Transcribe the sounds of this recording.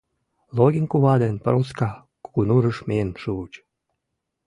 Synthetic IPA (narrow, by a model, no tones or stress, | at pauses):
loɡʲiŋkuβɑd̪enpə̰roskɑ | ko̥kunuɾəʃmenʃuut͡ɕ